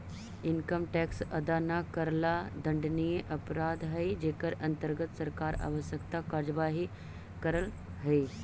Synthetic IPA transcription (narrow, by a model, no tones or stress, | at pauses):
ɪnkəmʈɛːksɐd̪anakəɾlad̪ɐɳɖnijeʔɐpɾaːd̪ɦɐid͡ʒeːkəɾɐ̃nt̪əɾɡət̪sɐɾkaːɾa̰ːʋəsjəkt̪akaːɾjəʋaːɦi | kəɾəl | ɦɐi